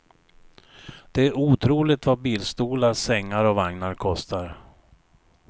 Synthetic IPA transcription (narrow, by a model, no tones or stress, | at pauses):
d̪̥ɛæɾuːt̪ʰɾuːlɪt̪vabiːlst̪uːlaɾsɛŋːaɾɔvaŋnaɾkʰɔst̪aɾ